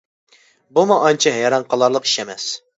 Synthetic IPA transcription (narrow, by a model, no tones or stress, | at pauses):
bumuʔɑnt͡ʃʰiɦɛjɑɾɑnqʰɑlˠɑɾlˠəqi̥ʃɛmɛs